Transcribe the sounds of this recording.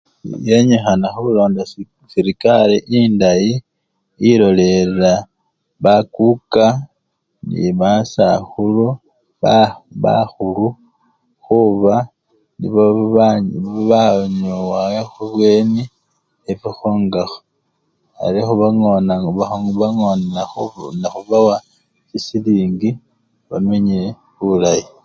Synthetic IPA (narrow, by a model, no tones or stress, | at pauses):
jeɲexanaxuβulo̞ːnda | siɾikaliʔindaji | ilo̞le̞la | βakuka | nḭβasa̰xulu | βaβa̰xulu | xuβa | nḭβo | βaɲowaexuβwe̞ːni | eβixoːŋɡaxo | a̰lixuβaŋonaβaoβaŋonaxonaxuβawa | sisiliːŋɡi | βameɲe | βulaji